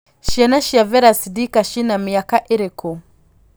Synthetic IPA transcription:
ʃanaʃiavɛɾasidikaʃinamijakaʔiɾiku

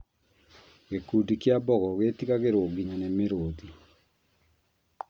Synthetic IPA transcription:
ɣekuːdikjabɔɣɔɣetiɣaɣeɾoɡiɲanemeɾoːði

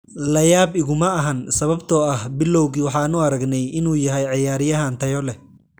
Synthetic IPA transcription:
lɐjaːbɪɣʊmɐɐɦɐnsɐβɐbt̪ʰɔɐhbɪlːɔwɣiːwɑħɑːnʊɐɾɐɡnɛjʔɪnuːjɐɦɛjʕɑjaːɾɪjɐɦaːnt̪ʰɐjɔlɛ

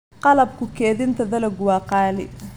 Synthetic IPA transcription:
qɑlɐb̚kʰʊkʰɛːðɪnt̪ʰɐðɐlɐɡwɑːqɑːlɪ

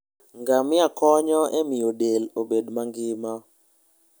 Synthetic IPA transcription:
ŋɡamɪakɔɲɔʔɛmɪjodelobedmaŋɡɪma

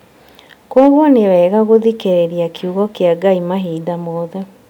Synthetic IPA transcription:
kwɔɣwɔnewɛːɣaɣoðikeɾeɾiakʰjuɣɔkeaɡaimaɦiːdamoːðɛ

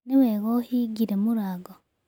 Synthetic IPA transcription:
neβeɣohiɡiɾemuɾaɡo

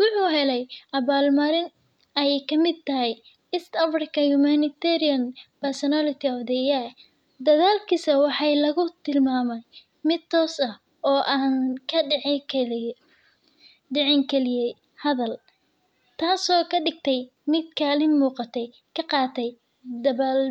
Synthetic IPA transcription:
wʊħuːɦɛlɛjʔɐβaːlmɐɾɪn | ɛjɛjkʰɐmɪd̪̚t̪ɐɦɛj | ɪst̪ɐfrɪkʰɐhʊmanɪt̪ʰɛɾiɐnpɛrsɔnalɪt̪ʰɪɔfd̪ɛja | d̪ɐðaːlkʰisɐwɑħɑjlɐɣʊt̪ʰɪlmaːmɛj | mɪd̪̚t̪ʰːɔːsɐh | ɔːʔaːnkʰɐ | ɖɛʕɪŋkʰɛlɪjɛj | hɐðɐl | t̪ʰaːsɔːkʰɐɖɪɡ̚t̪ʰɛj | mɪd̪kʰaːlɪmːuːqɑt̪ʰɛj | kʰɐqɑːt̪ʰɛj | d̪ɐβaːl

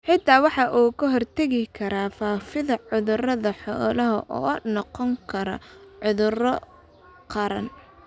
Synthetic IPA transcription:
ħɪt̪ʰaːwɑħɑʔuːkʰʊɦɔrt̪ʰɐɣɪkʰɐɾaːfaːfɪðɐʕʊðʊrɐðɐħɔːlɐɦɐʔɔ̰ːnɔqɔŋkʰɐɾɔ̰ʕʊðʊrɔ | qɑɾɐ̰n

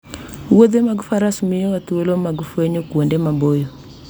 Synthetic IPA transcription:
uwoðemaɡufaɾasumijowatuolomaɡufeɲokwondɛmambojo

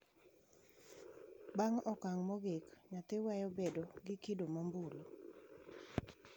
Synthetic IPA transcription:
baŋɔkaŋmɔɡekɲat̪ɪwajɔbedoɡɪkidomɔmbulo

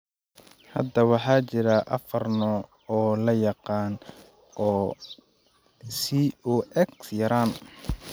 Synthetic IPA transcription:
hɐ̰d̪ɐwɑħɑːt͡ʃɪɾaʔɐ̰fɐrnɔ | ɔːlɐjɑqɑːn | ʔɔː | siɔːʔɛksjɐɾaːn

